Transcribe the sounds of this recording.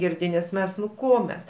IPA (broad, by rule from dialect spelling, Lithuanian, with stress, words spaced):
ˈɡʲɪrʲdʲɪ nʲɛs ˈmʲɛs nʊ ˈkoː mʲɛs